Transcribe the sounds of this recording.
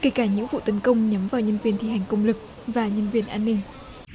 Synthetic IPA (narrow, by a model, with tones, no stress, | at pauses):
ke˧˩kaː˧˩ɲɨ̰˧˥ŋvṵ˧˨t̪ə˨˦nkə˧wŋ͡mɲə˨˦mvaː˨˩wɲə˧nvi˧˩ənt̪i˧˩ha˨˩jŋ̟kə˧wŋ͡mlɨ˨˩k̚ | vaː˨˩ɲə˧nvi˧˩ənʔaː˧nːï˧ŋ̟